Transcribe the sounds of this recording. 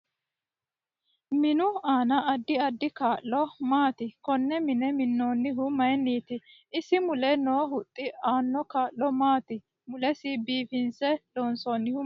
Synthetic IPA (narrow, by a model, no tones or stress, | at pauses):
mɪnʊaːnɐʔɐd̪ːɪɐd̪ːɪkaːʔlɔmaːt̪ɪkɔnːɛmɪnɛmɪnːoːnːɪɦʊmɐjniːt̪ɪ | ɪsɪmʊlɛnoːhʊt̪ʼːɪaːnːɔkaːlːɔmaːt̪ɪ | mʊlɛsɪbiːfɪnsɛloːnsonːɪhʊ